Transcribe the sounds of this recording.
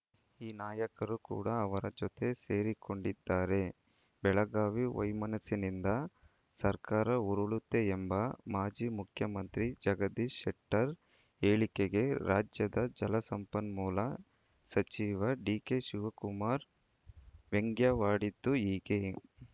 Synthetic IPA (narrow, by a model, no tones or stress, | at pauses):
iːnaːjɐkɐɾukṵːɽɐːʋɐɾɐd͡ʒɔt̪e̞se̞ːɾiko̞ɳɖid̪ːaːɾe̞ | bɛɭɐɡaːʋiʋɐ̰jmɐnɐsinind̪ɐ | sɐɾkaːɾɐuɾuɭut̪ːe̞ːmbɐmaːd͡ʒiːmukʰjɐmɐnt̪ɾid͡ʒɐɡɐd̪iʃeʈːɐɾ | eːɭikeɡe̞ɾaːd͡ʒjɐd̪ɐd͡ʒɐlɐsɐmpɐnmuːlɐ | sɐt͡ʃiːʋɐɖiːke̞ʃuʋɐkumaːɾ | ʋeŋɡjɐʋaːɽid̪ːuiːɡe